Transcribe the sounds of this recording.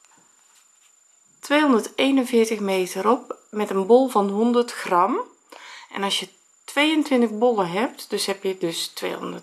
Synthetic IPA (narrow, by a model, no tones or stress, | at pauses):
tʋeːɦɔndərteːnənvɪːɹtəxmeːtəɾɔpmɛtənbɔlˠvɑnɦɔndərtxrɑm | ʔɛ̰nɑlsjə | tʋeːəntʋɪntəxbolˠəɦɛp̚tdɵsɦɛpjədɵstʋḛːɦɔ̰ndə